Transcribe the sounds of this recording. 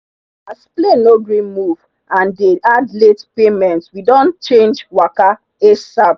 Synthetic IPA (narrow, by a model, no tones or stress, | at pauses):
asplenoɡɹĩnmuv̥ | ãndeadletpemɛ̃ntwidɔ̃nt͡ʃẽnd͡ʒwaka | esab